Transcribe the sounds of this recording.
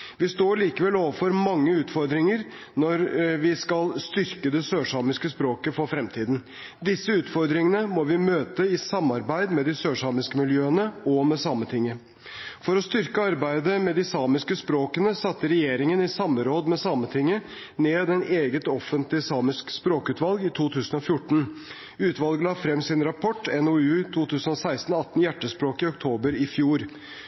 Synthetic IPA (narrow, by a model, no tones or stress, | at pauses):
ʋɪst̪oːɭiːkəʋɛlːoːʋəɾfɔɾmɑŋːəʉːt̪fɔɾd̪ɾɪŋəɾ | nɔɾʋɪskɑlst̪ʏɾkəd̪ɛsøːʂɑːmɪskəspɾoːkəfɔɾfɾɛmt̪ʰiːd̪n | d̪ɪsːəʉːt̪fɔɾd̪ɾɪŋənəmɔʋɪmøːt̪əɪsɑmːɑɾbæɪd̪mɛd̪ɪsøːʂɑːmɪskəmɪljøːənəɔmɛsɑːmət̪ʰɪŋːə | fɔɾɔst̪ʏɾkəɑɾbæɪd̪əmɛd̪ɪsɑːmɪskəspɾoːkənəsɑt̪ːəɾɛjeːɾɪŋənɪsɑmːəɾoːd̪mɛsɑːmət̪ʰɪŋːə | neːd̪ɛnʔeːɡət̪ɔfənt̪lɪsɑːmɪskspɾoːkʉːt̪ʋɑlɡɪt̪ʰuːt̪ʰʉːsənɔfjʊʈːɳ̩ | ʉːt̪ʋɑlɡəlɑːfɾɛmːsɪnɾɑpʰɔʈːɛnʊʉːt̪ʰuːt̪ʰʉːsənɔsæɪst̪n̩ɑt̪ːn̩jæʈːəspɾoːkɪɔkt̪ʰoːbəɾɪfjuːɾ